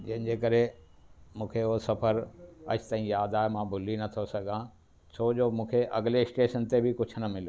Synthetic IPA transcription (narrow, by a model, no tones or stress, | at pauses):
d͡ʑɐ̃ɦɪ̃n̆d͡ʑeːkəɾe | mũːkʰeoosɐpʰəɾɐ̰t͡ɕʰt̪aːɦĩjaːd̪aːɦemãːbʱʊlinɐt̪ʰosɐɡʱãː | t͡ɕʰoːd͡ʑoːmũːkʰeʔɐ̰ɡleɪsʈeːʃənt̪ebʱikʊt͡ɕʰʊnɐmɪl